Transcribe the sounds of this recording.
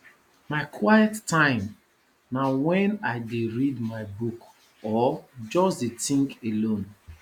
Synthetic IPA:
maɪkʰwajɛtːãɪ̃m | nawɛ̃naɪdeɹidmaɪbuk | ɔd͡ʒɔsdetĩŋkelõn

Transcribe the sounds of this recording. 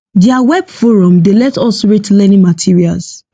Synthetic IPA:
diawɛbfoɹɔ̃mdelɛtɔsɹitlɛnĩmatʰiɹia̰ls

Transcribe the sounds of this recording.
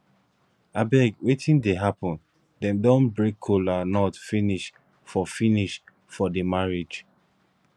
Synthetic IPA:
abɛɡwetʰĩndeɦapɔ̃n | dɛ̃mdɔ̃nbɹekʰːolanɔtfiniʃ | fɔfiniʃ | fɔdəmaɹed͡ʒ

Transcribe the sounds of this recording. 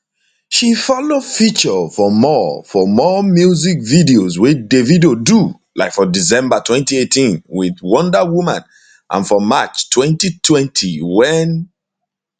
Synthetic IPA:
ʃifɔlofit͡ʃəfɔmɔfɔmɔmjuzik̚vidiozwedevidodu | laɪkfɔdizɛ̃mbatʰwɛ̃ntietĩnwiðwɔ̃ndəwumãn | ʔã̰nfɔmat͡ʃtʰwɛ̃ntitʰwɛ̃ntʰiwɛn

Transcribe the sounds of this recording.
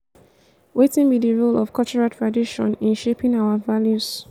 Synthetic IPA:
wetĩnbidiɹulɔfkʰɔlt͡ʃɔɹatʰɹadiʃɔ̰̃nɪ̃nʃepɪ̃ŋaʊavaljus

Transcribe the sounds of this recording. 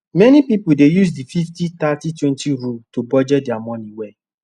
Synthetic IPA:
mɛnĩpipudejus̬dififtit̪atitwɛ̃ntiɾultubɔd͡ʒɛdiamɔ̃nĩwɛ

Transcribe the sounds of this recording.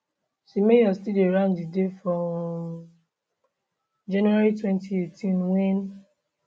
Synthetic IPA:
ʃimejɔstidiaɹãʊ̃ndidefɹɔ̃m | d͡ʒãnaɹitwɛ̃ntʰietĩnwẽn

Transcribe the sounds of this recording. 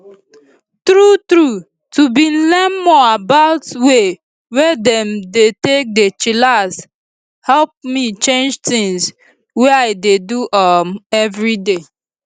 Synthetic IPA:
tɹutɹu | tubĩn̩lɛnmɔabaʊtwe | wɛdɛ̃mdetek̚det͡ʃilas | hɛlp̚mit͡ʃẽnd͡ʒtĩŋs | weaɪdeduʔɔmɛvɹide

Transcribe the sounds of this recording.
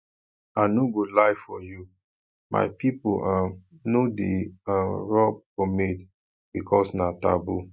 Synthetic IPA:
anoɡolaɪfɔju | mʔa̰ɪpipoʔa | nodeaɹɔb̚kɔmed | bikʰɔsnata̰bu

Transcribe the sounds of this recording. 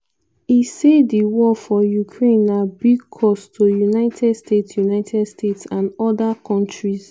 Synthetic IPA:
isediwɔfɔjukʰɹẽnabiɡkʰɔstʰojunaɪtʰɛdstetsjunaɪtʰɛdstetsãnɔdakʰɔ̃ntɹiz

